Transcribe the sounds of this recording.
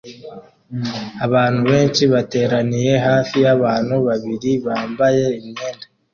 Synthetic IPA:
aβaːn̥huβe̞ːnʃiβate̞ːɾanije̞ɦaːfijaβaːn̥uβaβiɾiβaːmbaje̞imeːnde

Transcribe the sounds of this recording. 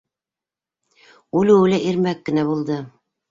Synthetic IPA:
ulɘwɘlæʔiɾmækːɘ̆næβulˠd̪ɤ

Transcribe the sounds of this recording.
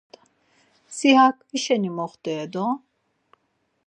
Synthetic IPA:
siɦakviʃɛnimɔχt̪ɛːd̪ɔ

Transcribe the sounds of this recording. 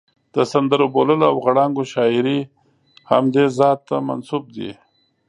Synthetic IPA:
d̪̥əsand̪əɾoboləloawɣaɽɑŋɡoʃɑɪɾi | ha̰md̪ezɑt̪ːama̰nsub̚d̪ḭ

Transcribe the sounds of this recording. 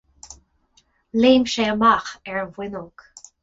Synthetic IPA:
leːmʃeəmaxɛɹvwɪnok

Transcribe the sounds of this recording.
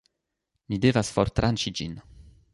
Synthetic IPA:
nidevasfoɾt̪ɾʔant͡ʃid͡ʒḭn

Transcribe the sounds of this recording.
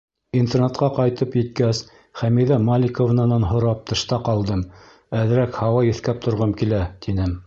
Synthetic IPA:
int̪ernɑt̪̚qɑqɑjt̪ɤpjɘ̆t̪̚kæs | χæmiðæmalʲɪkovnɑnɑnɦŏɾɑp̚t̪ʰɤ̆ʃt̪ɑqɑlˠd̪ɤm | æðɘ̆ɾækhɑwɑjɘ̆θkæp̚t̪ʰŏɾʁɤmkilæt̪inɘm

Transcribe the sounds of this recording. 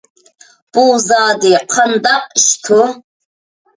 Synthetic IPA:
b̥uwzaːdiqʰɐndaqʼʃtʰʊ

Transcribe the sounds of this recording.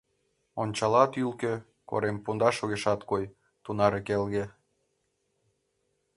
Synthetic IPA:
onʲt͡ɕɑlɑt̪ylkø̆ | ko̰ɾempund̪ɑʃuɣeʃɑt̪koj | t̪unɑɾekelɣĕ

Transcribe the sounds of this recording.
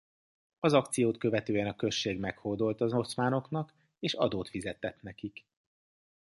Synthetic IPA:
ɒzɒkt̪sijoːt̪kø̞vɛt̪øːɛnɒkø̞ʃːeːɡmɛkhord̪o̞lt̪ɒzo̞t̪smaːno̞kn̪ɒk | eːʃɒ̰d̪oːt̪fizɛt̪ːɛt̪nɛkik

